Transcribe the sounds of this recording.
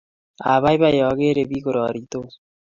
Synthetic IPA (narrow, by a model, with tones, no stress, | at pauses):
a˨βa˦jba˦jɔ˨ɡe˦ɾe˨bi˦ko˨ɾɔ˨ɾit̪o˦